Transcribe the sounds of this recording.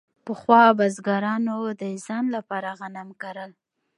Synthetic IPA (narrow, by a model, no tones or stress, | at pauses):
pəxwɑbazɡɑɾɑnod̪əɪzɑnlapɑɾaɣanamkaɾəl